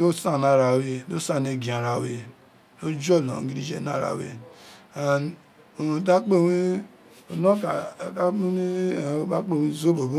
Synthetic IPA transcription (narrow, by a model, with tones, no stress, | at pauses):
o˦sa˦˨na˨ɾa˨we˨lo˦sa˦˨ne˨ɡi˨a˨ɾa˨we˨ | lo˦d͡ʒo˦˨lo̰˨˦ɡi˦ɾi˦d͡ʒḛ˨na̰˦˨ɾa̰˨wḛ˨ | a˨ | da˦k͡pe˦˨wi˦ | o˨no˦ka˨da˦ni˦˨o˦ba˦k͡po˦˨wi˦zo˦bo˨ɡu˦